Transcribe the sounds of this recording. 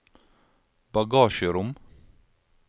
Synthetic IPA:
bɑɡɑːʃəɾʊm

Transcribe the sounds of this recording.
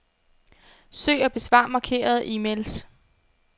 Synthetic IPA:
sø̰ːɒb̥e̝sʋɑ̈mɑ̈kʰe̝̰ːɐð̞̩ˠʔiːmels

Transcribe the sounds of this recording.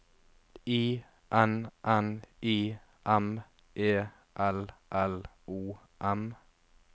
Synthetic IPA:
iː | ʔɛnʔɛniː | ʔɛm | ʔeː | ʔɛlʔɛl | uː | ʔɛm

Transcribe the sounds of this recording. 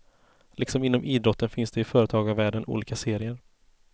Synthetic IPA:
lʔɪksɔmɪnːɔmʔiːd̪ɾɔt̪ːənfɪnsd̪ɛɪfœːɾət̪ʰɑːɡavvæːɖənʔṵːliːkaseːɾɪəɾ

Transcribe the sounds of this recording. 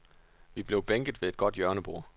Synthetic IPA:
ʋib̥le̝ʊb̥eŋɡ̥ð̩ˠʋe̝ed̥̚ɡ̥ɒ̽d̥jɶɐnəb̥o̝ɐ̰

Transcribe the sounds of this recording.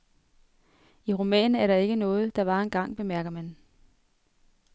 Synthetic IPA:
iʁumɛ̰ːnæɐɾɑ̈e̝ɡ̥ənɔ̽ːð̞̩ˠd̥ɑ̈ʋɑ̈enɡ̥ɑ̈ŋ̰b̥e̝mæɐɡ̥ɐmæn

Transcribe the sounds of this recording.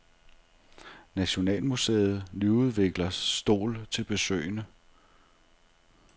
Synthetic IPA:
næɕo̝nɛ̰ːlmusḛːð̞̩ˠlyuð̞ˠʋe̝ɡ̥lɐːd̥o̝̰ːlt͡sʰe̝lb̥e̝sø̰ɪ̰nə

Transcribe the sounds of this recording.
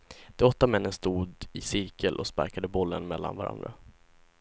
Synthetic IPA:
d̪̥ɛɔt̪ːamɛnːənst̪uːd̪ɪsɪɾkəlʔɔspa̰ɾkad̪əbɔlːənmɛlːa̰nvaɾa̰nd̪ɾa

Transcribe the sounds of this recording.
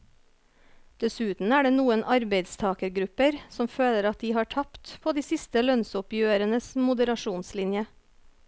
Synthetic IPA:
d̪̥ɛsʉːt̪n̩æːɖeːnuːənʔɑɾbeɪd̪st̪ʰɑːkəɾɡɾʉpəɾsɔmføːləɾɑt̪̚d̪iːhɑːʈʰɑpt̪pʰoːd̪iːsɪst̪əlœnsʊpjøːɾənəsmʊd̪əɾɑʃuːnslɪnjə

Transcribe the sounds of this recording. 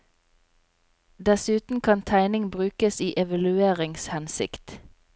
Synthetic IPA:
d̪ɛsʉːt̪n̩kʰɑnt̪ʰæɪnɪŋbʁʉːkəsiːʔɛʋɑlʉeːʁɪŋshɛnsɪ̰kt̪

